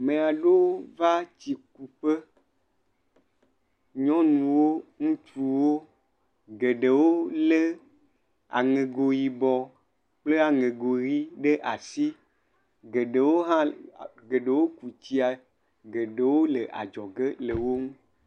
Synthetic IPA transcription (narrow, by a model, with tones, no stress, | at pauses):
mẽ˨a˨ɖe˦wo˦va˦t͡ɕi˨ku˨ɸe˦ | ɲɔ̃˦nũ˨wo˦ŋũ˦t̪ɾu˨wo˦ | ɡe˨ɖe˨wo˦le˦ | a̰˨ŋẽ˨ɡo˨ji˨bɔ˨ | k͡ple˦a˨ŋẽ˨ɡo˨ɣi˦ɖe˦ʔa˨si˦ | ɡe˨ɖe˨wo˦ɦã˦˨ɡe˨ɖe˨wo˦ku˨t͡ɕi˦a˨ | ɡe˨ɖe˨wo˦le˨ʔa̰˨d͡ʒɔ˨ɡe˦le˨wo˦ŋũ˦